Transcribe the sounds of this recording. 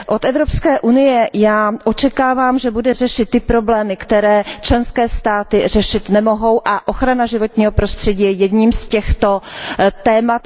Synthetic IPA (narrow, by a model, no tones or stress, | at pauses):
ʔo̞t̪ɛvɾo̞pskɛːʔunɪjɛjaːʔo̞t͡ʃɛkaːvaːmʒɛbudɛrɛʃɪt̪̚ːɪpɾo̞blɛːmɪkt̪ɛɾɛːt͡ʃlɛnskɛːst̪aːt̪ɪr̝ɛʃɪt̪nɛmo̞ɦo̞wʔaʔoxɾanaʒɪvo̞t̪ɲiːɦo̞pɾo̞st̪r̝̥ɛɟiːjɛjɛd̪ɲiːmscɛxt̪o̞t̪ɛːmat̪